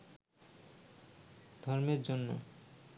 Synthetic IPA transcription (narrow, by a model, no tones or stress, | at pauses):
d̪ʱɔɾmeɾd͡ʑonːo̰